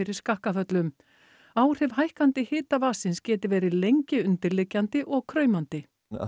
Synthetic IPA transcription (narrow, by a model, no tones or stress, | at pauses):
ɪɾɪɾ̥skahkafœt̪lʏm | aːwr̥ɪvɦajhkant̪ɪhɪːt̪avaːsɪnscɛːt̪ɪvɛːɾɪlejɲcɪʏnt̪ɪɾlɪcːant̪ɪʔɔɣkʰɾœːɥmant̪ɪ̰